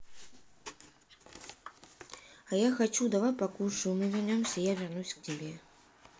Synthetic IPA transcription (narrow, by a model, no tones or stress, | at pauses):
ɐjaxat͡ʃud̪avajpakulʲʂɨwmɨvʲarnʲɔmsʲɐijavʲɛrnusʲk̚t͡sʲabʲɛ